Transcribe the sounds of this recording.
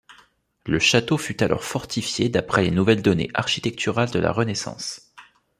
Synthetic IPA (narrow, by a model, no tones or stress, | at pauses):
ləʃat̪ofyt̪alɔ̰ʁfɔʁt̪ʰifjed̪apχɛlenuvɛld̪ɔnḛʔaʁʃi̥t̪ɛk̚t̪ʰyʁald̪əla̰ʁənesɑ̰̃s